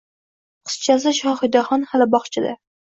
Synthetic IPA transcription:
qʰɨ̥st͡ʃʰas̬ɪʃɒhɪd̪aχɒnhalɪbɒχt͡ʃʰɪd̪a̰

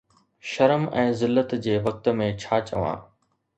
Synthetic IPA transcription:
ʃɐɾəmɛ̃ːzɪlːət̪d͡ʑeːʋɐk̚t̪̆mẽt͡ɕʰaːt͡ɕə̰ʋã̰ː

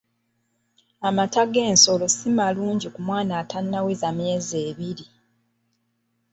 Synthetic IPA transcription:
amataɡe̞ːnso̞lo̞simaluːɲɟikumwaːnaːtanːawezamjeːze̞ːβiɾi

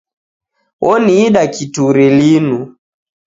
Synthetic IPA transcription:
wʔɔniːɗakituɾilinu

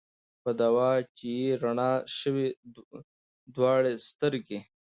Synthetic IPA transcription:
pɐd̪awɑːt͡ʃijeɾɐɳɑːʃəwe | d̪wɑːɽest̪əɾɡe

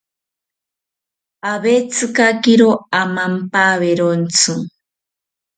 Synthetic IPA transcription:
aβet͡sʰɨkakiɾoamampaβeɾont͡sʰɨ

